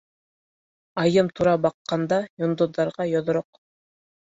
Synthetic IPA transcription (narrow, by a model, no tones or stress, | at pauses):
ɑjɤmt̪ʰuɾɑbɑqːɑnd̪ɑjŏnd̪ŏðːɑɾʁɑjɒð̆ɾoq